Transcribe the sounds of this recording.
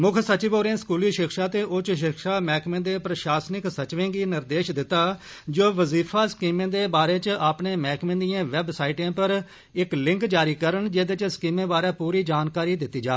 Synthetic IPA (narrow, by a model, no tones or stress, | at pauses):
mʊkʰsət͡ʃɪboːɾẽːskuːliːʃɪkʰʃaːt̪eːʔʊt͡ʃʃ̬ɪkʃaːmɛːkmẽːd̪eːpɾəʃaːsnɪksət͡ʃʋẽːɡiːnɪɾd̪eːʃd̪ɪt̪ːaː | d͡ʒoːʋəziːfʰaːskiːmẽːd̪eːbaːɾeːt͡ʃaːpneːmɛːkmẽːd̪ijãːʋɛbsaːiːʈãːpəɾ | ɪklɪ̃ŋkd͡ʒaːɾiːkəɾənd͡ʒeːd̪et͡ʃskiːmẽːbaːɾaːpuːɾiːd͡ʒaːnkaːɾiːd̪ɪt̪ːiːd͡ʒa̰ː